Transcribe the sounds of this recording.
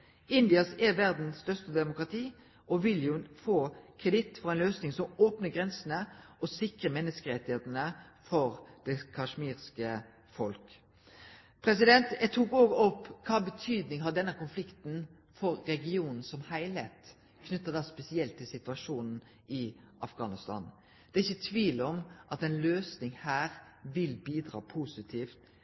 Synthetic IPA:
ɪnd̪ɪɑsæʋæʁd̪nsst̪œʁʂst̪əd̪ɛmʊkʁɑt̪ʰiː | ʔɔʋɪljʊfoːkʰʁɛd̪ɪt̪fɔʁɛɪnløːsnɪŋsɔmoːpnəɡʁɛnsənəɔsɪkʁəmɛnːəskəɾɛt̪ːɪheːt̪n̩əfɔɾd̪̥ɛkʰɑʂmiːʁskə | fɔlk | pʰɾɛsɪd̪ɛnt̪æt̪ʰukoːɡɔpːkʰɑːbət̪ʰyːd̪nɪŋɦɑd̪ɛnːəkʊnflɪkt̪n | fɔɾːɛɡɪuːnn̩sɔmhæɪlheːt̪ | kʰnʉt̪ːɑd̪ɑːspɛsɪɛlt̪ʰːɪlsɪt̪ʋɑʂuːnn̩ | ɪʔɑfɡɑːnɪst̪ɑ̰ːn | d̪̥ɛɪçːət̪ʰʋiːlɔmʔɑt̪ɛnløːsnɪŋhæːʁʋɪlbiːd̪ʁɑ̰ːpʰuːsɪt̪ʰiːft̪

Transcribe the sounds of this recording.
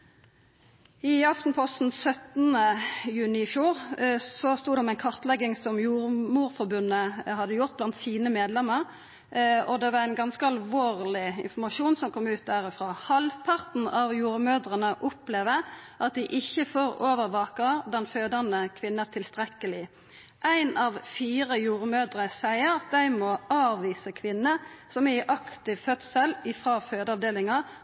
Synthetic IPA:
ɪɑft̪n̩pʰɔst̪n̩sœt̪n̩əjʉːnɪfjuːʁsɔst̪uːd̪ɛmæɪnkʰɑʁt̪lɛɡːɪŋsɔmjuːʁmuːʁfɔʁbʉnːəhɑd̪ːəjʊʁt̪̚blɑnt̪siːnəmeːd̪lɛmːəʁ | ɔd̪ɛʋɑʁæɪnɡɑnskəɑlʋoːʁlɪɪ̰nfɔʁmɑʃuːnsɔmkʰɔmːʉːt̪̚d̪æːʁɪfɾʁɑːhɑlpʰɑʁt̪n̩ɑʋjuːʁmøːd̪ʁənəʔʊpleːʋəʔɑt̪̚d̪ɪʔɪçːəfoːɾoːʋəʁʋɑːkəd̪ɛnføːd̪ənəkʰʋɪnːət̪ʰɪlst̪ʁɛkəlɪ | ʔæɪnɑʋfiːʁəjuːʁmøːd̪ʁəsæɪəʁɑt̪̚d̪æɪmɔʔɑːʋiːsəkʰʋɪnːəsɔmæɪʔɑkt̪ɪʋfœt̪səlɪfʁɑːføːd̪əɑʋd̪eːlɪŋəʁ

